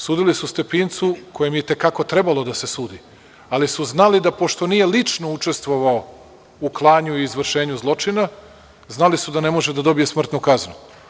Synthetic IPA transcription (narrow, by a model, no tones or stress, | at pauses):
suːd̪ilisust̪e̞pint̪sukʰo̞jemjet̪e̞kako̞t̪ɾe̞balˠo̞d̪asesuːd̪i | alisuznalid̪apo̞ʃt̪o̞nije̞lit͡ʂno̞ut͡ʂe̞st̪ʋo̞ʋao | uklˠaːɲuiːzʋr̩ʃe̞ːɲuzlˠo̞t͡ʃina | znalisud̪ane̞mo̞ʒed̪ad̪o̞bije̞smr̩t̪nukaznṵ